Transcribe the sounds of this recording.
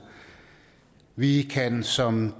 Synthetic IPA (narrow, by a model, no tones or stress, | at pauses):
ʋikʰænsɒ̽m